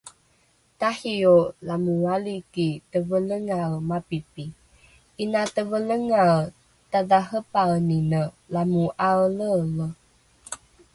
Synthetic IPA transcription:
tahiolamuwalikitəvələŋalmapipi | ʔinatəvələŋal | taðaɦəpawninə | lamuʔalələ

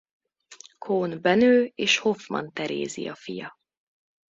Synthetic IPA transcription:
kʰoːnbɛnøːeːʃho̞fmɒ̰nt̪ɛɾḛːzḭjɒfijɒ

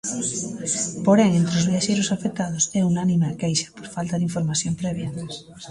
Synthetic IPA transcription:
poɾɛŋẽnt̪ɾɪozβiaʃejɾʊsafek̚t̪að̞osɛunanĩmeakejʃɐ̥poɾfalt̪aðiɱfoɾmaθjompɾɛβjɐ

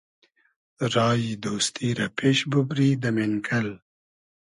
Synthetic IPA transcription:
ɾɑːjid̪oːst̪iɾapʰeːʃbubɾiːd̪əmenkʰɐl

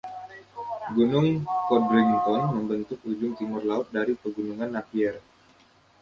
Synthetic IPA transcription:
ɡunʊŋkɔdɾɪŋt̪ɔnməmbənt̪ʊk̚ud͡ʒʊŋt̪imʊrlaʊt̪̚daɾipəɡunuŋanːapiɛr

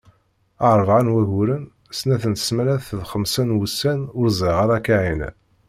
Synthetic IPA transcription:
ɑɾˤvʕanwæʝuɾən | snæθənt̪ə̥smæɾæθðχəmsænwusːænʊɾzˤəʁaɾˤɑkaʕin

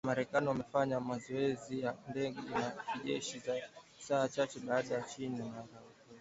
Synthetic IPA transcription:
amaɾɛkaniwamɛfaɲamazɔɛzijandɛɠɛnakiʄɛʃiza | saːt͡ʃat͡ʃɛɓaːɗajat͡ʃinimaɾa

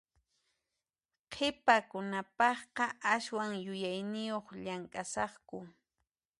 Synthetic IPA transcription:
qʰɪpakʊnapɑχqɑʔaswaŋjʊjajnɪjoχʎaŋkʼasɑχkʊ

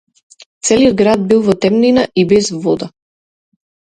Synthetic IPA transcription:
t̪sɛliɔd̪̚ɡɾad̪̚bilˠvɔt̪ɛmninaʔibɛzvɔd̪a

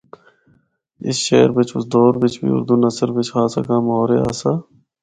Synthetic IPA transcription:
ɪ̰sʃeːɾbɪt͡ʃʰʊsd̪ɔːɾbɪt͡ʃʰbḭːʊ̰ɾd̪uːnɐsəɾbɪt͡ʃʰhaːsɐkãːmoːɾeːa̰ːsa

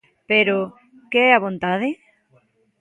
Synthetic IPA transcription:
peɾo | keɛaβ̞ont̪aðe

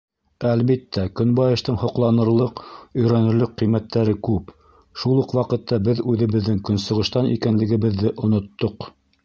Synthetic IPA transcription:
ælβit̪ːækɵnbɑjɤ̆ʃt̪ɤɴhŏqlˠɑnɤ̆ɾlˠɤqɵ̆jɾænɵ̆ɾlɘqqijmæt̪ːæɾɘkʉp | ʃulˠuqwɑqɤ̆t̪ːɑbɘðʉðɘ̆βɘ̆ðːɘŋkɵ̆nsɤ̆ʁɤ̆ʃt̪ɑnḭkænlɘ̆ɡɘ̆βɘ̆ðːɘʔŏnŏt̪ːoq

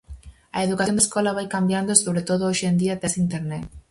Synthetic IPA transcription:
aeðukajond̪eskolaβajkambjand̪osoβɾet̪oð̞ooʃend̪iat̪esint̪eɾnet̪

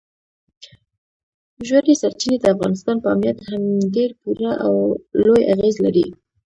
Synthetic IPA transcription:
ʒwand̪esaɾt͡ʃined̪əafɣɑnɪst̪ɑnpəa̰mjat̪hamɖeɾpuɾaʔawloja̰ɣezlaɾi

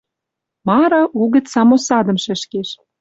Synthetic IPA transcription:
mɑɾɤ̆ʔuɣə̆t͡ssɑmosɑd̪ɤ̆mʃɘ̆ʃkeʃ

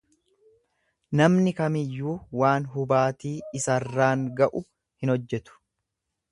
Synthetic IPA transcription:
nɐmnɪkɐmɪjːuːwaːnɦʊbaːt̪iːɪsɐrːaːŋɡɐʔʊ | hɪnɔd͡ʒːɛt̪ʊ̥

